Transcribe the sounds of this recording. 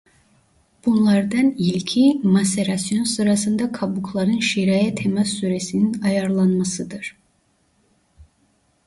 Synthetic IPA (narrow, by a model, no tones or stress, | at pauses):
b̥unlˠɑɾd̪ɑnilʲcʰimaseɾasjo̞nsɯɾasɯnd̪akʰabukʰlˠaɾɯnʃiɾajat̪ʰemasːyɾesininɑjaɾlˠanmasɯd̪ɯɾ̥